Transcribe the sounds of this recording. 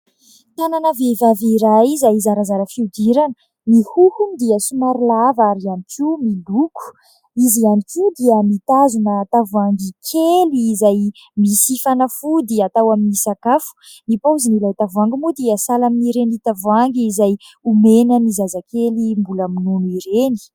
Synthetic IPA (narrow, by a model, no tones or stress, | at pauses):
t̪ananəvevaveɾaizaizaɾazaɾəfiud̪iɾan | mihuhund̪iəsumaɾlavaɾianikimiluku̥ | izianikud̪iəmit̪azunət̪avuaŋɡikʰeliːzaj | misifanəfud̪iəat̪awaminisakafu̥ | mipawzinilajt̪avuaŋɡimud̪iəsalaminiɾenit̪avuaŋɡizaj | umenəmizazakelimbulaminunuiɾeni̥